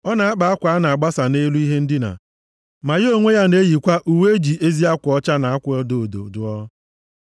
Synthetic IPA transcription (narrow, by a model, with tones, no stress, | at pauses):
ɔ˦na˨a˦k͡pa˨a˦kʷa˦na˨a˨ɡ͡ba˦sa˨ne˦lu˦i˦ɦe˦n̩˦dɪ˦na̰˨ | ma˨jɪ˦o˦ŋʷe˦ja˦ne˦ji˨kʷa˦ʔu˨we˦d͡ʒi˨ʔe˦zi˦a˦kʷʊ˨ɔ˦t͡ʃa˦na˨a˦kʷɔ˦do˨do̰˨dʊ˨ɔ˦